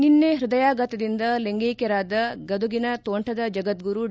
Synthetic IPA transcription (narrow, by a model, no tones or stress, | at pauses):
ninːeɦɾud̪ɐjaːɡɐt̪ɐd̪ind̪ɐleŋɡeːkɛɾaːd̪ɐɡɐd̪uɡinɐt̪oːɳʈʰɐd̪ɐd͡ʒɐɡɐt̪̚ɡuɾu